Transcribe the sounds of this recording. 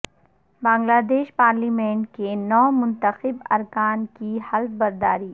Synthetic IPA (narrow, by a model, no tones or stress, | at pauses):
bãːŋɡlaːd̪eːʃpaːɾliːmẽːɳʈkenɔːmʊ̃nt̪əxɪbɐɾkaːnkihɐlt̪̚bɐɾd̪aːɾiː